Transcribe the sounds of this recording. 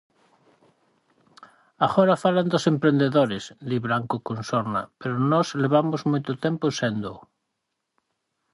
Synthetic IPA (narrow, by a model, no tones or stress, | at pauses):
aɣoɾafaland̪osempɾend̪eðoɾezd̪iβɾaŋkokõnsoɾna̰peɾonɔzleβ̞amozmujt̪ot̪emposend̪o